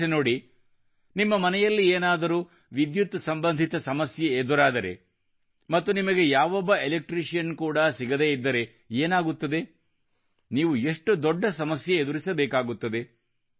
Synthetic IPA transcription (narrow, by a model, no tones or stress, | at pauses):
eno̞ːɽi | nimːɐmɐnɛjɐlːieːnaːd̪ɐɾuː | ʋid̪jut̪sɐmbɐnd̪ʱit̪ɐsɐmɐsjeed̪uɾaːd̪ɐɾe̞̰ | mɐt̪ːunimɐɡe̞jaːʋɔbːɐelek̚ʈɾiʂijɐnkuːɽɐsiɡɐd̪e̞ːid̪ːɐɾe̞ | eːnaːɡut̪ːɐd̪e̞ | niːʋueʂʈud̪ɔɖːɐsɐmɐsjeed̪uɾisɐbɛːkaːɡut̪ːɐd̪e̞